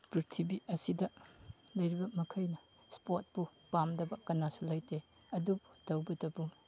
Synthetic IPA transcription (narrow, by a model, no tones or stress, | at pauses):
pɾiɾtʰibiɐsidɐlɐjɾibɐmɐkʰɐjnɐ | spot̚pupamdɐbɐkɐnːasulajtʰe | ɐdubudɐwbɐtɐbu